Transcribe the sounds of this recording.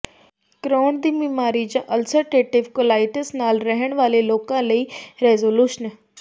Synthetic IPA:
kɾoːɳd̪iːmiːmaːɾid͡ʒãːʔəlsəɾʈeːʈɪʋkʊlaːɪʈəsnaːlɾəɦəɽ̃ʋaːleloːkãːləiːɾeːzoːluːʃən

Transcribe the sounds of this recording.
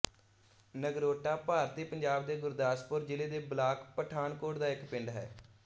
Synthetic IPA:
nəɡɾoːʈaːpaːɾd̪eːpəɲd͡ʒaːb̚d̪eːɡʊɾd̪aːspʊɾd͡ʒɪleːd̪eːblaːkpəʈʰaːnkoːʈd̪aːɪkpɪɳɖɦɛ̰ː

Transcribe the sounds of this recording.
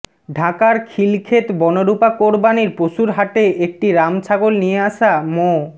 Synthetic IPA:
ɖʱakaɾkʰilkʰet̪bɔnoɾupakoɾbaniɾpɾoʃuɾɦaʈeek̚ʈiɾamt͡ɕʰaɡolnijeaʃamo

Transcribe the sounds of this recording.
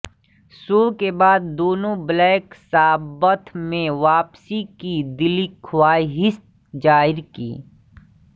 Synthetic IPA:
suːɾkebaːd̪̚ːoːnõblɛːksaːbət̪ʰmẽʋaːpsikid̪ɪlikʰʊwaːiɦɪst̪ | d͡ʒaːɪɾkḭː

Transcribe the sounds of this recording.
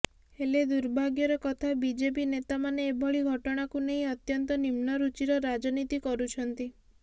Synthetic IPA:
heled̪uɾbʱaɡjɔɾɔkɔt̪ʰabid͡ʒep̬inet̪amaneːbʱɔɭiɡʱɔʈɔɽ̃akuneɦĩɔt̪jɔnt̪ɔnimnɔɾut͡ʃiɾɔɾad͡ʒɔnit̪ikɔɾut͡ʃʰɔnt̪i

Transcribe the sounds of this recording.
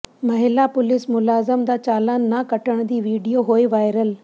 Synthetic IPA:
mɐɦɪlapʊlɪsmʊlaːzəmd̪aːt͡ɕaːlaːnːakɐʈəɽ̃d̪iːʋiːɖijoɦoːiʋaːɪɾəl

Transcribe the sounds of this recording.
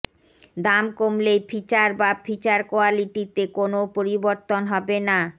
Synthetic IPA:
d̪amkomlejpʰit͡ɕaɾbapʰit͡ɕaɾkoaliʈit̪ekonopoɾiboɾt̪onɦɔbena

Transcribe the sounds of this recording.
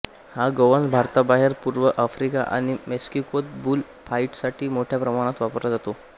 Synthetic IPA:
haɡəʋənbʱaɾt̪abaɦeɾpuɾʋəʔafɾika̰ʔa̰ɽ̃imeskikot̪̚buːl | faiʈsaʈʰiːmoʈʰjapɾəmaɽ̃ãt̪ʋapəɾlad͡zat̪o

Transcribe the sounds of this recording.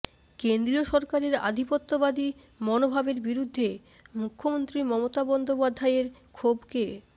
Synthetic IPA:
kend̪ɾioʃɔɾkaɾeɾa̰d̪ʱipot̪ːobad̪i | mɔnobʱabeɾbiɾud̪ʱːe | mukʰːomont̪ɾimɔmot̪abɔnd̪opad̪ʱːaeɾkʰobke

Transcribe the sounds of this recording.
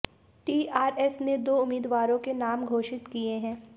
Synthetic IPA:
ʈiːʔaːɾɛsned̪oːʊmiːd̪ʋaːɾõkenaːmɡʱoːʃɪt̪kieɦɛ̃ː

